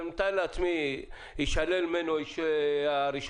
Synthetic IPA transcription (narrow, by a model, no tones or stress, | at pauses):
mt̪ajleat͡smi | iʃalelmenoiʃaɾiʃ